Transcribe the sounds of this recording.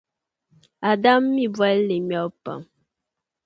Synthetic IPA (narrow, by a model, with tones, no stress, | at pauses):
a˨da˦mːi˦bwa˦lle˨mjɔ˨˦pa̰˨m